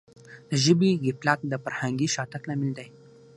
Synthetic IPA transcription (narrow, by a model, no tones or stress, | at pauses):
d̪əʑibiɡiplat̪̚d̪əfəɾhãŋɡiːɕat̪əklamild̪əj